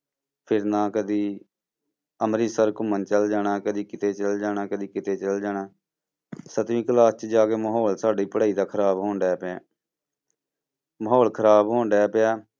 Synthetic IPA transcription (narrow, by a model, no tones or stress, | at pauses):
pʰɪɾnãːkəd̪iː | əmɾiːsəɾkʊmənt͡ʃəld͡ʒaːɽaːkəd̪iːkɪt̪eːt͡ʃəld͡ʒaːɽaːkəd̪iːkɪt̪eːt͡ʃəld͡ʒaːɽaː | sət̪ʋĩːkəlaːst͡ʃd͡ʒaːkeːməɦɔːlsaːɖiːpəɽaːiːd̪aːkʰəɾaːbɦoːɳɖɛːpãː | məɦɔːlkʰəɾaːbɦoːɳɖɛːpjaː